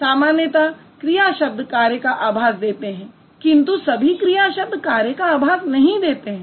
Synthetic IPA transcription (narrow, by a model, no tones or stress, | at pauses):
saːmaːnjət̪a | kɾijaʃɐb̚d̪ʱkaːɾjəkaʔaːbʱaːsd̪eːt̪eɦɛ̃ː | kɪ̃nt̪usɐbʱikɾijaːʃɐb̚d̪ʱkaːɾjəkaaːbʱaːsnɐɦĩd̪eːt̪eɦɛ̃ː